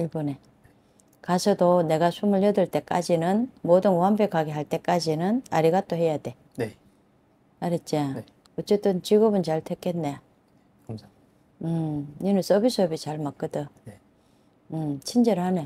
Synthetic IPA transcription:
iɭbʌne̞ | kasʰʌdone̞ɡasʰumɯɭjʌdɯɭt͈e̞k͈ad͡ʑinɯnmodɯnoɦambjekaɡeɦaɭt͈e̞k͈ad͡ʑinɯnaɾiɡat͈oɦe̞jade̞ | aɾet͡ɕ͈a | ʌt͡ɕ͈e̞t͈ɯnt͡ɕiɡʌbɯnt͡ɕaɭtʰek͈ːe̞nnːe | ɯinɯns͈ʰʌbisʰɯʌbit͡ɕaɭmak͈ɯdɯ | ɯmt͡ɕʰind͡ʑeɾɯane

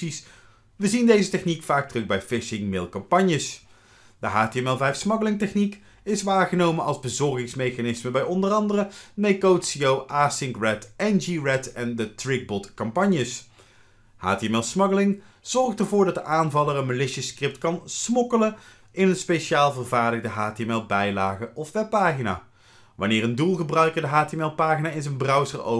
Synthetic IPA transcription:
is | ʋəzindejzətɛχnikfaːk̚trɵɡbɛjfɪʃɪŋmɪlˠkɑmpɑɲjəs | d̥əɦaːteɛmɛlˠvɛjfsmɑɡəlɪŋtɛχnik | ɪsʋaːχənowmənɑlˠzbəzɔrχɪŋsmejχanɪsməbɛjɔndərɑndərəmejkowtsiowʔaːsɪŋkrɛtɛnd͡ʒiɹɛtɛndətrɪɡ̚bɔtkɑmpɑɲjəs | ha̰ːtiɛmɛlˠsmɑɡəlɪŋ | z̥ɔrχtərvʊːɹdɑt̚dəʔaːnvɑlˠərənməlɪʃəskrɪp̚tkɑnsmɔkələ | ɪnənspejʃaːlˠvərvaːɹdəɣdəɦaːteɛmɛlˠbɛjlaːχəʔɔfʋɛpːaːχina̰ː | ʋɑnɪːrəndulˠχəbrœɥkədəɦaːteɛmɛlˠpaːχinaːɪnzənbrœwsəro̰

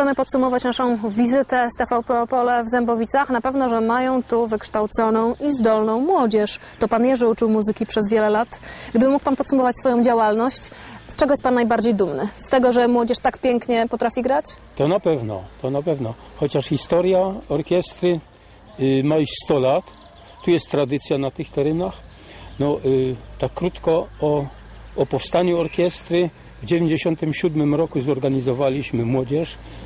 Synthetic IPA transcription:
ɛmɘpɔt̪sumɔvat͡ɕnaʂɔ̃w̃vʲizɘt̪ɛst̪ɛfawpɛɔpɔlɛvzɛmbɔvʲit̪saxnapɛvnɔʐɛmajɔ̃w̃t̪uvɘkʂt̪awt̪sɔnɔ̃w̃izd̪ɔlnɔ̃w̃mwɔd͡ʑɛʂt̪ɔpanjɛʐɛut͡ʂɘwmuzɘkʲipʂɛzvʲjɛlɛlat̪ɡd̪ɘbɘmuk̚panpɔt̪sumɔvat͡ɕsfɔjɔ̃w̃d͡ʑawalnɔɕt͡ɕst͡ʂɛɡɔjɛst̪panːajbaɾd͡ʑejd̪umnɘst̪ɛɡɔʐɛmwɔd͡ʑɛʂt̪akpʲjɛŋkɲɛpɔt̪ɾafʲiɡɾat͡ɕ | t̪ɔnapɛvnɔ̰t̪ɔnapɛvnɔ | xɔt͡ɕaʂxʲist̪ɔɾjaɔɾkʲjɛst̪ɾɘ | maiɕst̪ɔlat̪ː | ujɛst̪ːɾad̪ɘt̪sʲjanat̪ɘxt̪ɛɾɛnax | nɔt̪akːɾut̪kɔɔː | pɔfst̪aɲuɔɾkʲɛst̪ɾɘ | vd͡ʑevʲjeɲd͡ʑeɕɔnt̪ɘmɕud̪mɘmɾɔkuzɔɾɡaɲizɔvalʲiɕmɘmwɔd͡ʑɛʂ

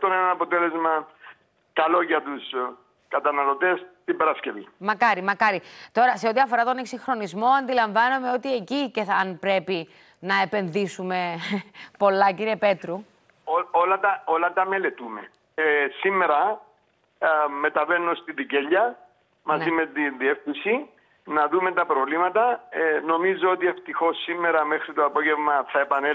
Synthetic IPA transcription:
t̪onenɐɐpo̞t̪ele̞zmɐ | kɐlo̞ʝɐt̪us | kɐt̪ɐnɐlo̞t̪e̞st̪ibeɾɐsce̞vimɐkɐɾimɐkɐɾit̪o̞ɾɐseo̞t̪iɐfo̞ɾɐt̪o̞neksiŋxɾo̞nizmo̞ɐnd̪ilɐɱvɐnome̞o̞t̪ie̞ciceɐnpɾe̞pi | nɐe̞pe̞nðisume̞ | po̞lːɐciɾiepe̞t̪ɾu | oolɐt̪ɐo̞lɐt̪ɐme̞le̞t̪ume | simːe̞ɾɐ | me̞t̪ɐve̞nːost̪iðiceʎːɐ | mɐzimet̪inðie̞fθisi | nɐðumet̪ɐpɾo̞vlimɐt̪ɐno̞mizoot̪ieft̪ixo̞sːimːe̞ɾɐmexɾit̪oɐpo̞ʝe̞vmɐθɐepɐne

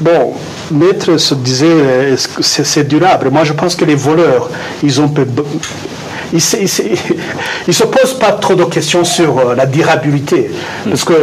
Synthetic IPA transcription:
bɔ̃ | mɛt̪χəsəd̪izɛɛsksɛsɛd̪yʁablmwaʒəpɑ̃skəlevɔlœːʁ | ilzɔ̃pøb | isis | ilsəpozpat̪χod̪əkʲɛst̪jɔ̃syʁlad̪yʁabilit̪ʰe | paʁsə̥kə

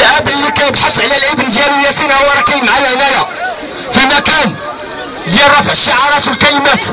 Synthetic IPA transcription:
ʔæbəjkæjəbħat̪ʕlælʕəd̪ənd̪jæləjæsinwɑɾˤɑkæjəmʕajælælæ | fimækæn | d̪jælɾˤɑfʕəʃːaʕɑɾˤɑt̪əlkælimæt̪

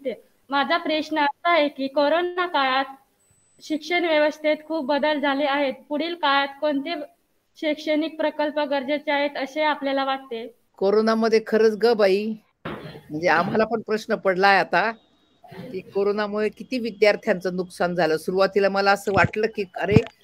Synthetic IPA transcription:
t̪e | mad͡ʑʱapɾeʂnəəst̪aɦekiːkoɾonakajat̪ | ɕikʂəɳʋjeʋəst̪ʰet̪kʰuːp̚ːəd̪əld͡zʱaleːaɦet̪̚puɽiːlkajat̪koɳt̪e | ɕekʂənik̚pɾəkəlpəɡəɾd͡ʑet͡ɕeaɦet̪əseapljalaʋaʈ̚t̪e | koɾonaməd̪ʱːjekʰəɾəːt͡sɡəbai | m̤əɳd͡zeam̤alapəɳpɾəɕnəpəɽlajat̪a | kiːkoɾonamuɭekit̪iːʋid̪jaɾt̪ʰjant͡sənuksand͡zʱaləsuɾuʋat̪ilaməlaəsəːʋaʈləːkiːkəɾe

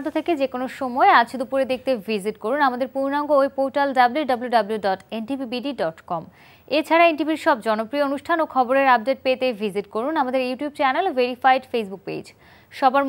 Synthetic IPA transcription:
t̪ʰot̪ʰeked͡ʑekonoʃɔmɔeat͡ɕʰed̪upuɾed̪ek̚ʰt̪evʱiziʈkoɾunamad̪eɾpuɾnaŋɡoojpoʈalɖabluɖɐbuluɖɐbluɖɔʈenʈibibiɖiɖɔʈkɔm | et͡ɕʰaɾaenʈibiɾʃɔbd͡ʑɔnopɾioonuʃʈʰanokʰɔboɾeɾab̚ɖeʈ̚pet̪evʱiziʈkoɾunamad̪eɾjuʈijubt͡ɕɛnaloveɾifajɖfejsbuk̚pḛd͡ʑ | ʃɔbaɾ

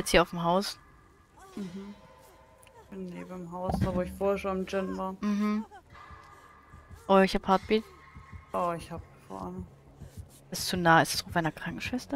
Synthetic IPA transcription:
jɛt͡sthiɐaʊfmɦaʊs | m̩ɦm̩ | b̥ɪnːeːb̩mɦaʊsd̥avoːɪçfoːɐhɛɐʃonɪmd͡ʒɪnvaːɐm̩hm̩ | ʔoɪçhaphaɐt̚b̥iːt | ʔɔːɪçhaːb̚ɡ̥əfa̰ːʁən | ɪst͡sunaːɪstḁsofmaɪnɐkʁ̥aŋkŋ̩ʃv̥ɛstɐ

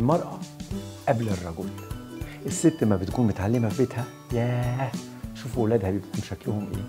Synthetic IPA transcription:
lmɑɾˤʔɑʔæblerˤːɑɡuːlʔesːet̪ːmæbet̪kuːnmot̪ʕalːemæfet̪hæ | jæː | ʃuːfwelæːd̪hæbibt̪̚kuːnmbʃæklʊhomʔḛː

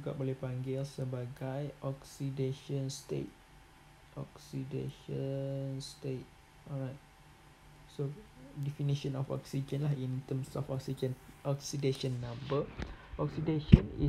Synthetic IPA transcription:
d͡ʒuɡa̰ʔbolɛhpaŋɡɪlsəbaɡajʔɔksideʃə̃nst̪ḛt̚ | ʔɔksidḛʃənstet̚ | ɔɹajt̚ | sodɛfiniʃə̃nɔ̰fɔ̰ksid͡ʒə̃nlahĩnt̪əmsɔ̰fɔksid͡ʒənʔɔksideʃənːãmbəʔɔksideʃə̃nḭ

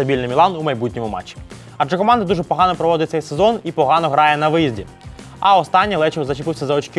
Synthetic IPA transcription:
ɐbʲilʲnɪmʲilˠɑnumɐjbutʲnʲimʊmɑ̰t͡ʃːi̥ | ɐd͡ʒɐkɔmɑnd̪ɐd̪uʒɛpɔɦɑnɔpɾɔʋɔd̪ɪt̪sɛjsezɔnipɔɦɑnɔɦɾɑjɛnɐʋɪjizʲdʲi | ɐɔst̪ɑnʲːilˠɛt͡ʃɛzɐt͡ʃɪpɪwsʲɐzɐɔt͡ʃkɪ

